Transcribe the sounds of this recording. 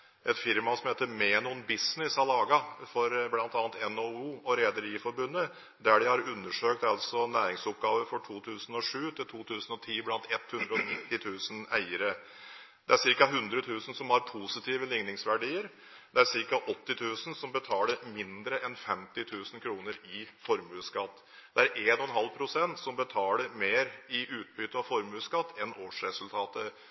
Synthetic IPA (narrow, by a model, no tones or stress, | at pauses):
ʔɛt̪fɪɾmɑsɔmheːt̪əɾmeːnuːnbɪsnɪshɑlɑːɡɑfɔɾblɑnt̪ɑːnət̪ɛnouːɔɾeːd̪əɾiːfɔɾbʉnːə | d̪æɖɪhɑɾʉnːəʂøːk̚t̪ɑlsɔnæːɾɪŋsʊpɡɑːʋəɾfɔʈʰuːt̪ʰʉːsn̩ɔʂʉːt̪ɪlt̪ʰuːt̪ʰʉːsn̩ɔt̪ʰiːblɑnt̪ɛt̪hʉnd̪ɾəɔnɪt̪ːɪt̪ʰʉːsən̩æɪəɾə | d̪ɛæsɪɾkɑɦʉnd̪ɾət̪ʰʉːsn̩sɔmhɑɾpʰuːsɪt̪ʰiːʋəlɪŋnɪŋsʋæɖiːəɾ | d̪ɛæɾsɪɾkɑʔɔt̪ːɪt̪ʰʉːsən̩sɔmbət̪ʰɑːləɾmɪnd̪ɾəʔɛnfɛmt̪ɪt̪ʰʉːsn̩kʰɾuːnəɾɪfɔɾmʉːskɑt̪ː | d̪̥ɛæɾʔeːnɔɔnɦɑlpʰɾʊsɛnt̪sɔmbət̪ʰɑːləɾmeːɾɪʔʉːt̪̚bʏt̪əɑfɔɾmʉːskɑt̪ʰːɛnoːʂɾɛsʉlt̪ʰɑːt̪ə